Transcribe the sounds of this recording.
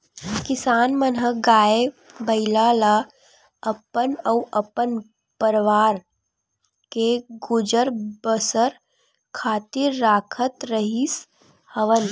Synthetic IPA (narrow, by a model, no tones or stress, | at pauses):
kɪsaːnmənɦəɡaːebəɪlaːla | əpənəuʔəpən | pəɾʋaːɾ | keɡʊd͡ʒəɾbəsəɾ | kʰaːt̪ɪɾːaːkʰət̪ɾəɦis | həʋən